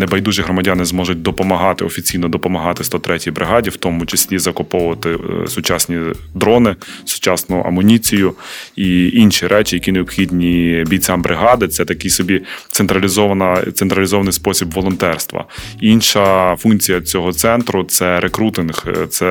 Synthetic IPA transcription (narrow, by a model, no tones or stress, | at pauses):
nebɐjd̪uʒiɦɾɔmɐdʲanɪzmɔʒʊt̚ʲd̪ɔpɔmɐɦɑt̪ɪɔfʲit͡sʲijnɔd̪ɔpɔmɐɦɑt̪ɪst̪ɔt̪ɾɛtʲɪjbɾʔɪɦɑdʲiwt̪ɔmʊt͡ʃesʲlʲizɐkʊpɔʊʋɐt̪ɪsʊt͡ʃɑsʲnʲid̪ɾɔnɪsʊ̥t͡ʃɑsnɔʔɐ̰mʊnʲit͡sʲijʊiinʃiɾʔɛt͡ʃʲɪjɐkʲineɔbxʲidʲnʲibʲijt͡sʲambɾʔɪɦɑd̪ɪt̪sɛt̪ɐkɪjsɔbʲit̪seɛnt̪ɾɐlʲizɔʋɐnɐt̪sent̪ɾɐlʲizɔʋɐnɪjspɔsʲibʋɔlˠɔnt̪ɛrst̪ʋɐ̰inʃɐfunt͡sʲijɐt͡sʲɔɦɔt̪sɛnt̪ɾʊt̪sɛɾekɾut̪ɪnxt̪sɛ